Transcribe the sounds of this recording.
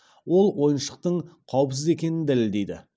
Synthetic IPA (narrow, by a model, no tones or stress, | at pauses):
wo̞lˠwo̞jənʃə̥q̚t̪əɴqʰɑwəpsɪze̞kʲe̞nɪnd̪ælɪld̪e̞jd̪ɪ̰